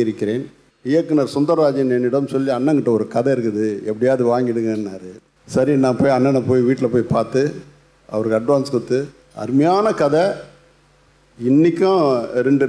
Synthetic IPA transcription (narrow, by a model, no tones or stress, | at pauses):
ɪɾɯkːɪɾeːn | ɪjɐkːɯnɐɾsʊnd̪ɐɾʋaːd͡ʒɐjɐnɛnːɪɽɐmsɔlːiɐnːɐŋɡɪʈːɐɔɾɯkɐðɐɪɾɯkːɯðɯɛpːɐɽɪjaːðɯʋaːŋɡɪɽɯkɐnnaːɾɯ | sɐɾinãːpoːjɐnːɐnːɐpoːjiʋiːʈːɪlɐpoːjpaːɾt̪ɯ | ɐ̰ʋɐɾɯkːɐɐɖʋaːnskɔt̪ːɯ | ɐ̰ɾɯmɐjaːnɐkɐðɛ | ɪnːɪkʲːãːɾɛɳɖɯ